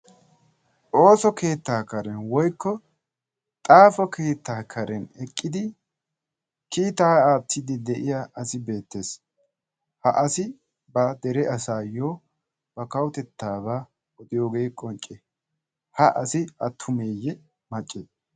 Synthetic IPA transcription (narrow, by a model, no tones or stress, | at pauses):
ʔo̞ːsɔke̞ːt̪ːaːkɐɾɛnwɔjkːɔ | t̪ʼaːfɔkʰeːt̪ʰːaːkʰɐɾɛnɛkʼːɪd̪ɪ | kiːt̪aːaːt̪ʰːɪd̪ɪd̪ɛʔɪjaʔɐsɪbe̞ːt̪ːe̞ːs | hɐʔɐsɪ | bɐd̪ɛɾɛʔɐsaːjoː | b̥ɐkɐwʊt̪ɛt̪ːaːbaː | wɔd̪ɪjo̞ːɡe̞ːkʼɔnt͡ʃʼːɛ | hɐʔɐsɪɐt̪ʰːʊmeːjːɛ | mɐt͡ʃʼːeːs